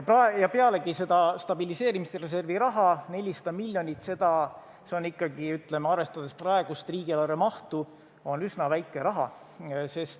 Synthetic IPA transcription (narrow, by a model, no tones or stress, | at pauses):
prɑejɑpe̞ɑle̞ɡ̥ise̞d̪̥ɑst̪ɑbilise̞ːɾimist̪ere̞s̬e̞rviɾɑɦɑne̞lʲisɑd̪̥ɑmilʲjo̞nʲit̪ːˑse̞d̪̥ɑ | seo̞nikːɑɡiyt̪ˑle̞meɑrve̞st̪ɑd̪̥e̞sprɑe̞ɡ̥ust̪riːɡ̥ilɑɾemɑht̪u | o̞nysnɑvæjkːˑe̞ɾɑɦɑ̰ | se̞st̪